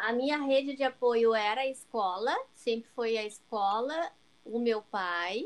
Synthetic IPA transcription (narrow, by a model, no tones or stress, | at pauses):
ɐmĩɲɐɦed͡ʒɪd͡ʒɪapojʊɛɾɐɪskɔlɐsẽmpɾɪfojɐɪskɔlɐ | ʊmewpaj